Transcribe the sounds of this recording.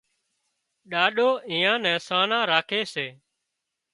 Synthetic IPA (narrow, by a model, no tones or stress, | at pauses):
ɗaːɗoːĩːãːnɛ̃ːsaːnãːɾaːkʰeːseː